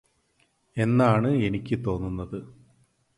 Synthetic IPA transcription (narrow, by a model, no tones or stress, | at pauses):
e̞nːaːɳɨe̞nikʲːɨt̪o̞ːnːunːɐðɨ